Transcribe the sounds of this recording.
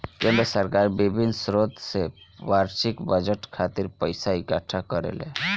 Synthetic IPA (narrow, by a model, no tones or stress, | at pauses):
kemesəɾkaɾbibʱinsɾod̪sewaɾʃikbəd͡ʒəʈkʰat̪iɾpəjsaikaʈʰakəɾḛlḛ